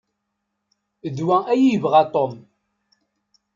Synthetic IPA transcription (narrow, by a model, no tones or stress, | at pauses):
ðwææjivʁat̪ˤom